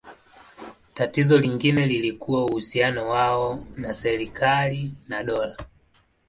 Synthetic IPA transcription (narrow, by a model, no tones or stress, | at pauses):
tatizɔliŋɡinɛlilikuwauhusianɔwaɔnasɛɾikʰalinaɗɔla